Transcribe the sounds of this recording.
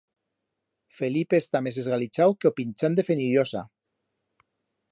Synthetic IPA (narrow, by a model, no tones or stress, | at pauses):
felipest̪amesezɣalit͡ʃawkeopinʲt͡ʃand̪efeniɾjosa̰